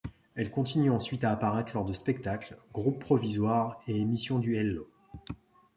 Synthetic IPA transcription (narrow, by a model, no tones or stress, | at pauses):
ɛlkɔ̃t̪inyɑ̃sɥit̪aːpaʁɛt̪χlɔʁd̪əspɛk̚t̪aklɡʁupːχɔvizwaʁeemisjɔ̃d̪yɛlːo